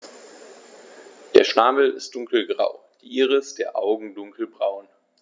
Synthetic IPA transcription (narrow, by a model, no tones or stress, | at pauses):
d̥eːɐʃnaːml̩ɪ̰std̥ʊŋkl̩ɡʁa̰ʊ | d̥iʔiːʁəɪstd̥eːɐʔaʊɡŋ̩dʊŋkʰl̩bʁaʊn